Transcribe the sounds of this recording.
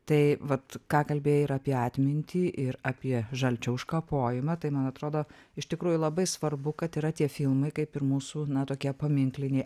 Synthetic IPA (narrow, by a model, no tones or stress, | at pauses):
t̪ɐɪʋɐt̪kɑːkɐlʲbʲeːjɪɾɑːpʲiɛɑːt̪ʲmʲɪnʲt̪ʲiːʔɪɾɑːpʲiɛʒɐlʲt͡ʃʲɛʊʃkɐpoːjɪmɐt̪ɐɪmɐnɐt̪ɾoːd̪oː | ɪʃt̪ʲɪkɾuːjʊlˠɐbɐɪsʋɐrbʊkɐt̪iɾɐt̪ʲiɛfʲɪlˠmɐɪkɐɪpɪɾmuːsuːnɐt̪oːkʲiɛpɐmʲɪŋklʲɪnʲɛɪ